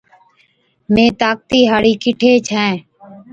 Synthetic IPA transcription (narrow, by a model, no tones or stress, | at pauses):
mẽːt̪aːk̚t̪iːɦaːɽiːkɪʈʰeːt͡ʃʰɛ̃ː